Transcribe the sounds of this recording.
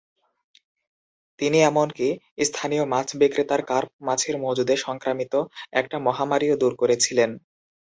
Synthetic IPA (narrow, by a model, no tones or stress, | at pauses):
t̪iniɛmonki | st̪ʰanijomat͡ɕʰbikɾit̪aɾkaɾp̚mat͡ɕʰeɾmod͡ʑud̪eʃɔŋkɾamit̪oɛk̚ʈamɔɦamaɾiod̪uɾkoɾet͡ɕʰilen